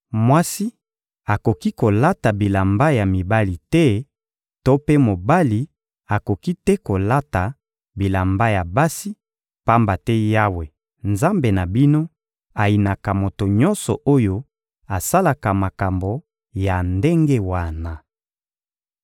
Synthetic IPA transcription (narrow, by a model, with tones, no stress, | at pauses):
mwa˦si˦ | a˨ko˨ki˦ko˨la˦ta˨bi˨la˨mba˦ja˨mi˨ba˦li˨tɛ˦ | to˦pe˦mo˨ba˦li˨ | a˨ko˨ki˦tɛ˦ko˨la˦ta˨ | bi˨la˨mba˦ja˨ba˦si˦ | pa˦mba˨tɛ˦ja˦we˨ | nza˦mbe˨na˨bi˦no˦ | a˨li˨na˨ka˨mo˨to˨ɲɔ˦nsɔ̰˨ʔo˦jo˦ | a˨sa˦la˨ka˨ma˨ka˨mbo˨ | ja˨nde˦ŋɡe˦wa˦˨na˨